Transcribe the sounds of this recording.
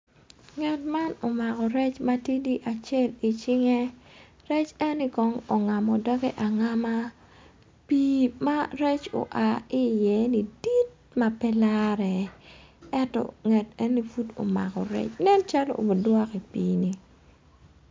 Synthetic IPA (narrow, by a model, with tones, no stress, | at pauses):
ŋɛ˨tma˦no˨ma˨kɔ˨ɾɛ˦t͡ʃma˦ti˦di˦ʔa˨t͡ʃɛ˦˨li˨t͡ʃɪ˦ŋɛ˦ | ɾɛ˦t͡ʃɛ˦ni˦kɔ˦ŋo˨ŋa˨mɔ˨dɔ˦ɡɛ˦ʔa˨ŋa˦ma˦ | pi˦ma˦ɾɛ˦t͡ʃo̰˨ʔa˨ɪ˦jɛ˦ni˨di˦t̚ | ma˦pɛ˦la˦ɾɛ˨ | ɛ˦ntɔ̰˨ŋɛ˨tɛ˦ni˦fu˦to̰˨ma̰˨kɔ̰˨ɾɛ̰˦t͡ʃnɛ˦nt͡ʃa˦lo̰˦ʔo̰˨o˨dwɔ˦ki˨piː˨ni